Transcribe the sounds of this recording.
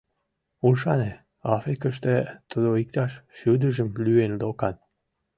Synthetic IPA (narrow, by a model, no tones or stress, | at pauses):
ulʃɑne | ɑfɾikəʃt̪et̪əd̪oik̚t̪ɑʃʃud̪əʒəmlyenlokɑn